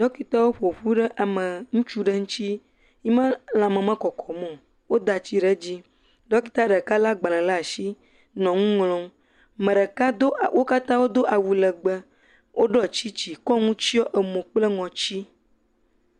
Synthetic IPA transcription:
ɖɔ˦ki˦t̪ɔ˦wo˦ɸo˨ɸu˦ɖə˦ʔa˨mə̃˨ŋũ˦t͡ʃu˦ɖə˦ŋũ˦t͡ɕi˦ | ji˦mã˦l̃ã˨mə̃˨mə̃˦kɔ˨kɔ˨mɔ̃˨ | wo˦d̪a˨t͡ɕi˦ɖə˦d͡ʑi˦ | ɖɔ˦ki˦t̪a˦ɖə˨ka˦la˦ɡ͡ba˨lɛ̃˨la˦a˨ʃi˦ | nɔ̃˨ŋũ˦ŋlɔ̃˦m | mə̃˨ɖə˨ka˦o˦wʔo˦ka˦t̪ã˦wo˦d̪o˦ʔa˨wu˨lə˨ɡ͡bə˦ | wʔo˦ɖɔ˦t͡ɕi˦t͡ɕi˨kɔ˦ŋũ˦t͡ɕi˦ɔ˦ʔə˨mõ˨k͡ple˦ŋɔ̃˨t͡ɕi˦

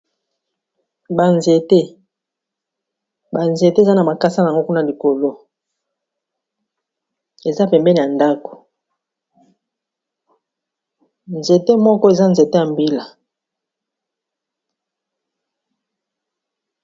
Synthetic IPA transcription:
ba˨nze˨te˦ | ba˨nze˨te˦˨za˦na˨ma˨ka˦sa˦na˨ŋɡo˦ku˦na˦li˨ko˨lo˦ | e˨za˦pɛ˨mbɛ˦ni˨ja˨nda˦ko̥˨ | nze˨te˦mɔ˦kɔ˦e˨za˦nze˨te˦a˨mbi˦la˨

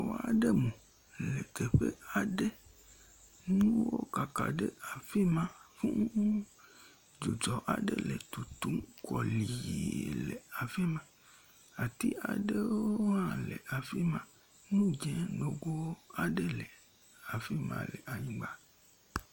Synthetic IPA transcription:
wa̰˨ɖe˦mũ˨ | le˨ke˨ɸe˦a˨ɖe˦ | nũ˦wo̰˦ka˨ka̰˨ɖe˦a˨fi˦mã˦fũ˦ŋ˦ | d͡ʒu˨d͡ʒɔ˨ʔa˨ɖe˦le˨t̪u˨t̪u˦mkɔ˨li˨lḛ˨a˨fi˦mã˦ | a˨t̪i˦a̰˨ɖe˦wwo˦o˦ã˦lḛ˨a˨fi˦mã˦ | nũ˦d͡ʒɛ̃˦no˨ɡo˦wo˦a˨ɖe˦le˨ | a˨fi˦mã̰˨le˨ʔa˨ɲĩ˦ɡ͡ba˦

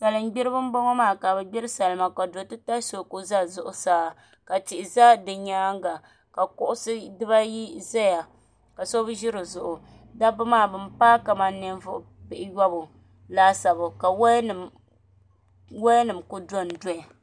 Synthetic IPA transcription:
sa˨lɨ˨m˦ɡ͡bi˦ɾɨ˦bɨ˦m˦bɔ˦ŋɔ˦maː˦˨ka˨bɛ˨ɡ͡bɛ˦ɾɨ˦sa˨lma˨ka˨do˨tɨ˦ta˦so˨kʊ˦za˦zʊ˨ʔʊ˨saː˦ | ka˨tɪ˨ʔɪ˨za˦dɨ˨ɲaː˦ŋɡa˨ | ka˨kʊ˦ʔʊ˦sɨ˦dɨ˦ba˦ji˦za˦ja˨ | ka˨so˦bʒi˦ɾɨ˨zʊ˨ʔʊ˨ | da˦bɨ˦maː˦˨bɨ˦mpaː˦ka˨ma˨nnɨ˦n˦vʊ˦ʔʊ˨pɪ˨ʔɪ˨ja˦bʊ˨ | laː˦sa˨bʊ˨ka˨wn˨ | wa˦nɨ˨mkʊ˦do˦n˨dɔ˦ɛ˨

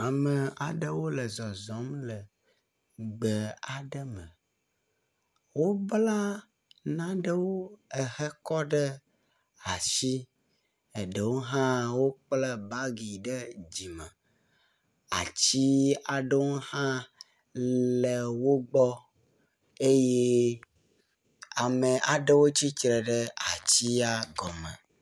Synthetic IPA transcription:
a˨mə˨a˨ɖə˦wo˦lə˨zɔ˨zɔ˨˦mlə˨ | ɡ͡bə˨a˨ɖə˦mə˨ | wo˦bla˦ | nã˦ɖə˦wo˦ə˨hə˦kɔ˦ɖə˦ | a˨ʃi˦ | e˨ɖə˨wo˦ɦã˦wo˦k͡plə˦ba˦ɡi˨ɖe˦d͡ʑi˨mɛ̰˨ | a̰˨t͡ɕi˦a˨ɖe˦wo˦hã˦ | le˨wo˦ɡ͡bɔ˦ | e˦je˦ | a˨me˨ʔa˨ɖe˦wo˦t͡ɕi˦t͡ʃɾɛ˨ɖe˦a˨t͡ɕi˦a˦ɡɔ˨mɛ̰̃˨

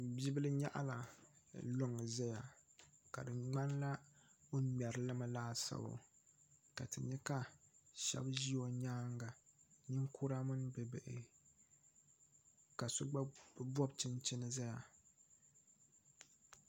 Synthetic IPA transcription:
bi˦bɨ˦lɨ˦ɲa̰˦ʔa̰˦la˨lo˦ŋɨ˨za˦ja̰˨ka̰˨dɨ˨ŋ͡ma˦nla˦o˦mɛ˨ɾɨ˨lɨ˦ma˦laː˦sa̰˦bo̰˨ | ka̰˨tɨ˨ɲɛ˦ka˦ʃɛ̰˦bʒi˦o˨ɲaː˦ŋɡa˨nɨ˦ŋkʰu˦ɾa˦mɨ˦n˦bɨ˨bɛ˨ʔɪ̰˨ | ka˨so˦ɡ͡ba˦bɔ˦bt͡ʃɨ˦nt͡ʃɪ˦nɨ˦za˦ja˨

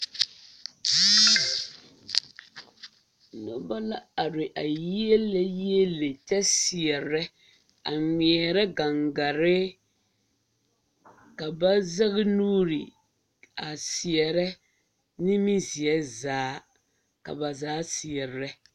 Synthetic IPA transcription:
nʊ˦ba˦la˦a˨ɾɪ˨ʔa˨ji˦e˦lɛ˦ji˦e˦le˨t͡ʃɛ˦sɪ˨ɛ˨ɾɛ˦ | a˨ŋi˨ɛ˨ɾɛ˦ɡa˨ŋɡa˨ɾɪ˦ | ka˨ba˦za˦ɣɪ˦nuː˦ɾi˨ | a˨sɪ˨ɛ˨ɾɛ˦ | nɪ˦mi˦zi˨ɛ˦zaː˨˦ | ka̰˨ba˨zaː˨˦si˨ɛ˨ɾɾɛ˦

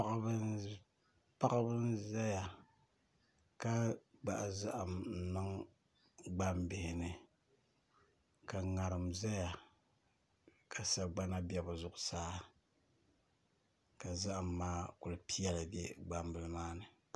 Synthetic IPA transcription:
a˦ʔa˦bɨ˦n | pa˦ɣa˦bɨ˦n˦za˦ja˨ | ka˦ɡ͡ba̰˨ʔza˦ʔa˨mn̩˨nɨ˦ŋ | ɡ͡ba˦mbɪ˨hɪ˨nɨ˨ | ka˨ŋa˨ɾɨ˨mza˦ja˨ | kʰa˨sa˨ɡ͡ba˦na˦bɛ˦bɨ˨zʊ˨ʔʊ˨saː˦ | ka˨za˦ʔa˨mːaː˦kʊ˨lɨ˨pi˦jɛ˦la˨dɛ˦ɡ͡ba˦mbɨ˨lɨ˦maː˦nɨ˨

